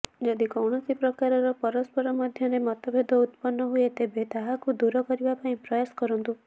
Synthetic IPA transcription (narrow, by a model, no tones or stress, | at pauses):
d͡ʒɔd̪ikɔwɳɔsipɾɔkaɾɔɾɔpɔɾɔspɔɾɔmɔd̪ʱjɔɾemɔt̪ɔbʱed̪ʱɔut̪pɔnːɔɦuet̪ebet̪aɦakud̪uɾɔkɔɾibapaĩpɾɔjasɔ̥kɔɾɔnt̪u